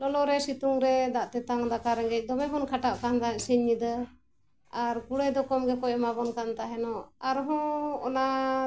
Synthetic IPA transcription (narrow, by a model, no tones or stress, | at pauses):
lɔlɔɾɛsit̪uŋɾɛd̪aʔt̪ɛt̪aŋd̪akaɾɛŋɡɛc̚d̪ɔmɛɦɔnkʰaʈaʔkand̪aʔsiɲːid̪ə | aɾkuɽɛd̪ɔkɔmɡɛkɔʔɛmabɔnkant̪aɦɛnɔaɾɦɔ̃ɔna